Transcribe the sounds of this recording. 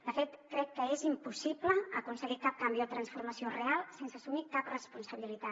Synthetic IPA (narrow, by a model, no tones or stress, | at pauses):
d̪əfet̪kːɾɛkːəezimpusipləəkunsəɣikap̚kambiuðət̪ɾənsfuɾməsiorealˠsensəsumikaprəspunsəβilit̪a